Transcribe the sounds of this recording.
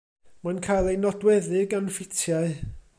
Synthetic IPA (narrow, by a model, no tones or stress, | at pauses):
mankʰaːjlˠejnɔdwɛðɪɡanfɪtʰjaɨ